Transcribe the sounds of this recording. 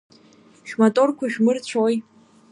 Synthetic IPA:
ʃᶣmatʼo̞rkʷʰaʃᶣmɨrt͡ɕʷʰoj

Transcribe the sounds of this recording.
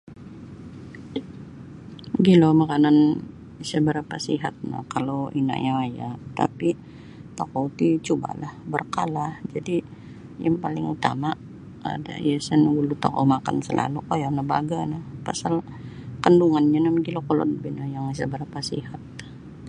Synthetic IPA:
ɡilomakanan | isəbəɾapasiɦat̪̚na̰hkalowina̰ʔɲawajat̪a̰pi | t̪akot̪it͡ʃuba̰lahbərkalahd͡ʒadi | jaŋpalɪŋut̪a̰ma | a̰da̰jasənɡulut̪o̰ko̰maka̰nsəlʔa̰lukojanəba̰ɡanahpasal | kənduŋanɲanamɡilokolɔ̰nbinajaŋisəbəɾapasḭhat̪̚

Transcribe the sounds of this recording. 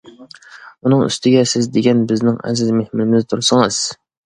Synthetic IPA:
unɨŋy̰st̪ʰɪɡʲɛsɪzd̪eɡʲɛnbɪznɪŋɛ̰zɪzmehmɪnɪmɪzt̪ʰuɾsɨŋɨz̥

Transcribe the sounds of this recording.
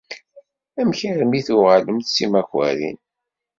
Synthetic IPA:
æmçəɾmiθuʁələmθsimæxæ̰ɾḭn

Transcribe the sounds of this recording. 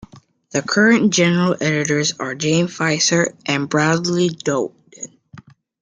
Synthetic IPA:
ðɨkʰɜ˞ɨ̃nd̥ʒ̥ɛnə˞əl̩ˠɛɾɨɾə˞zə˞d͡ʒẽɪ̃mfaɪsə˞ʔɨ̃nbɹaʊdˡlidoʊp̚t

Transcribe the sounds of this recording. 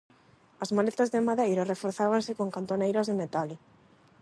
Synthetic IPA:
azmalet̪azðemaðejɾarefoɾθaβansɪkoŋkant̪onejɾazðemet̪al

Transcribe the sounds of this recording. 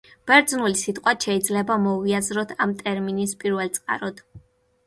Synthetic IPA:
b̥ɛɾd̪znulisit̪ʼqʼwaʃɛid̪zlɛbamɔviazɾɔt̪ʰamt̪ʼɛɾminispʼiɾvɛlˠt̪sʼqʼa̰ɾɔd̪̥

